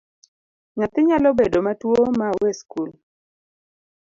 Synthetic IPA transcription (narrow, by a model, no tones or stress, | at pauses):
ɲat̪ɪɲalɔbedomatwomawɛskul